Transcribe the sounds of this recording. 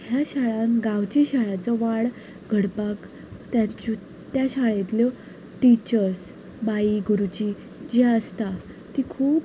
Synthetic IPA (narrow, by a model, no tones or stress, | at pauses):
hjaɕaɭãnɡawt͡ɕiɕaɭat͡sɔʋaɽ | ɡʱəɽpak | t̪jat͡ɕu | t̪jaɕaɭet̪ljɔ | ʈit͡ɕəɾs | baiɡuɾut͡ɕi | d͡ʑiaəst̪a | t̪ikʰuːp